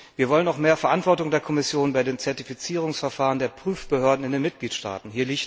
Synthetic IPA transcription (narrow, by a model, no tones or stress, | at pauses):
viːɐvɔlənʊxmeːɐfɛɐʔantv̥ɔɐtʊŋdeːɐkʰɔmɪsjoːnbaɪdeːmnt͡sɛɐtifit͡siːʁ̞ʊŋsfɛɐfaːʁəndeːɐpʁ̥yːfb̥əhøɐdn̩ɪndeːnmɪt̚ɡ̥liːtʃta̰ːtn̩hiːɐliçt